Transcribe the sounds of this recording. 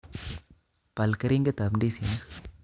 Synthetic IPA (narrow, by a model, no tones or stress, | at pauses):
pɐlkɐɾiŋɡɐt̪ɐmɳɖisin